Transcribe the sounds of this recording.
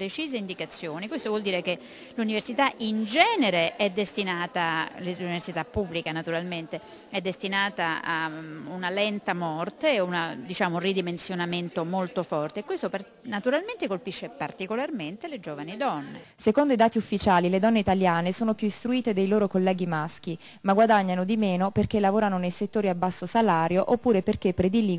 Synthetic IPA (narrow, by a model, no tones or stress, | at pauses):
pɾet͡ʃiːzeind̪ikat̪sːjoːnikwest̪ovwɔld̪iːɾeke | luniversit̪aʔind͡ʒɛːneɾeʔɛd̪ːest̪inaːt̪aeluniversit̪apːubːlikanat̪uɾalment̪e | ɛd̪ːest̪inaːt̪aaunalɛnt̪amɔrt̪eunad̪it͡ʃaːmounrid̪imensjonament̪omolt̪ofɔrt̪eːkːwest̪opa | nat̪uɾalment̪ekolpiʃːepart̪ikolarment̪eled͡ʒoːvanid̪ɔnːḛ | sekond̪oid̪aːt̪iufːit͡ʃaːliled̪ɔnːeit̪aljaːnesoːnopjuist̪ɾuiːt̪ed̪ejloːɾokolːɛːɡimask̟i | maɡwad̪aɲːanod̪imeːnoperk̟elavoːɾanonejset̪ːoːɾiabːasːosalaːɾjoʔopːuːɾeperk̟epːɾed̪ili